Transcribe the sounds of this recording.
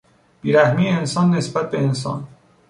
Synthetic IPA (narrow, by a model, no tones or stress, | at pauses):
b̥iːɾæhmiːjeensɒːnːesbæt̪̚be̞ens̬ɒ̰ːn